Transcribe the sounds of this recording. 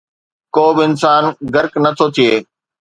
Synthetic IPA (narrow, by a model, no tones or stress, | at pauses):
koːbɪɪnsaːnɡɐɾknɐt̪ʰot̪ʰieː